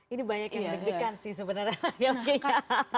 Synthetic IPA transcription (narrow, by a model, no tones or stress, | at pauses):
inibaɲakinidiɡɾikansɪhsəbənəralaɡalaɡiaa